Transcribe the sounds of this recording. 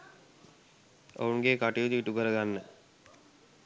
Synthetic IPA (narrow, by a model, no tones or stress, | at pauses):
o̰uŋɡekaʈijod̪iiʈukəɾəɡanːə